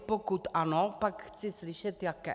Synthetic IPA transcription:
pokut̪ʔanopakxt͡sɪslɪʃɛt̪jakɛ

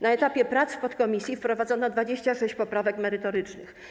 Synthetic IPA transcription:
naɛt̪apʲjɛpɾat̪sfpɔt̪kɔmʲisʲjifpɾɔvad̪zɔnɔd̪vad͡ʑeɕt͡ɕaʂɛɕt͡ɕpɔpɾavɛkmɛɾɘt̪ɔɾɘt͡ʂnɘ̰x

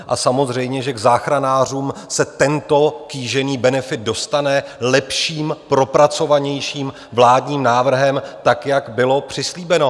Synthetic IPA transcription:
ʔa̰samo̞zr̝ɛjmɲɛʒɛɡzaːxɾanaːr̝uːmsɛt̪ɛnt̪o̞kiːʒɛniːbɛnɛfɪt̪̚do̞st̪anɛlɛpʃiːmpɾo̞pɾat͡so̞vaɲɛjʃiːm | vlaːdɲiːmnaːvr̩ɦɛmt̪akjaɡbɪlo̞pr̝̥ɪsliːbɛno̞

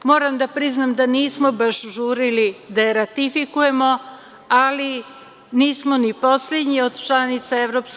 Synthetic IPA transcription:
mo̞ːɾamd̪apɾiznamd̪aniːsmobaʃʒuːɾilid̪aeɾat̪ifikuje̞mo̞ | ali | niːsmo̞nipo̞sled̪ɲio̞d̪t͡ʃlanit̪saevɾops

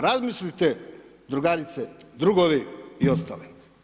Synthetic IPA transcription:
ɾazmislit̪ed̪ɾuɡaɾit̪sed̪ɾuɡoʋiiost̪a̰ːli

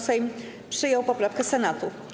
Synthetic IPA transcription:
sɛjm | pʂɘjɔwpɔpɾafkɛsɛnat̪u

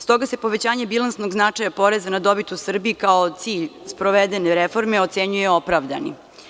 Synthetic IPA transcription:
st̪o̞ɡase̞po̞ʋet͡ɕaːɲebilˠansno̞ɡznat͡ʂajapo̞ɾezanad̪o̞bit̪usr̩biːkaot̪siːʎspɾoʋed̪eneɾefo̞ɾmeot̪seɲujeo̞pɾaʋd̪a̰nḭ

